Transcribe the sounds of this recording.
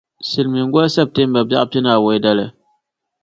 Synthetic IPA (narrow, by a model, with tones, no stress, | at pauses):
si˨lmi˨ŋ˦ɡɔ˦sɛ˦˨p̚te˦mba˨bja̰˦ʔpi˦na˨wo˦da˦lɨ˨